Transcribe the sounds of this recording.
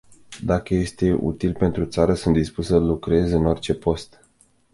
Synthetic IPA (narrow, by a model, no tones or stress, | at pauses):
d̪akəje̞st̪e̞ʔṵt̪ilpe̞nt̪ɾut̪saɾəsunt̪d̪ispussəlukɾe̞zeɨno̞rt͡ʃe̞po̞st̪